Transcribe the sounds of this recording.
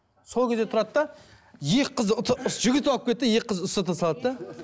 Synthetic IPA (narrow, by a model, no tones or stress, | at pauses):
so̞lˠkʲʰe̞zet̪ʰɾɑd̪d̪ɑ | jeqʰːəzʊt̪ʰəʊʒʏɡʲɪt̪ɑpkʲʰe̞t̪ːɪjeqːəzʊst̪ət̪ʰɑsɑlˠɑd̪t̪d̪ɑ